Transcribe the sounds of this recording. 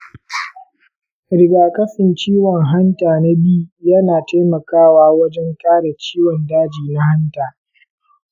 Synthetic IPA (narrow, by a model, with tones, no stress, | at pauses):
ɾɪ˦ɡaː˨kʼɐ˦sɪ˨nt͡ʃiː˦wɔ˨ŋɦa˦ntaː˨na˦bi˦jɐ˦naː˨teː˦mɐ˨kaː˦waː˦wɐ˦d͡ʒɛ˦ntaː˦da˨t͡ʃiː˦wɔ˨ndaː˦d͡ʒiː˨na˦ha˦ntaː˨